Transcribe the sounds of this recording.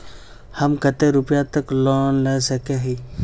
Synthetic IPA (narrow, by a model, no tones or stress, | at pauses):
hɐmkət̪eɾʊpjat̪əkloːnlesɐkeɦiː